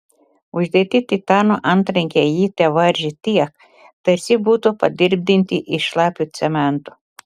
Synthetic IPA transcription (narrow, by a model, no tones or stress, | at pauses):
ʊʒʲd̪ʲiɛt̪ʲɪt̪ʲit̪ɑːnoʔɐnt̪ɾɐŋʲkʲɛjiːt̪ʲɛʋɐɾʲʒʲɪt̪ʲiɛk | t̪ɐɾʲsʲɪbuːt̪ʊpɐd̪ʲɪɾʲb̚ʲd̪ʲɪnʲt̪ʲɪʔɪʃlˠɑːpʲjut̪sʲɛmʲɛnt̪ʊ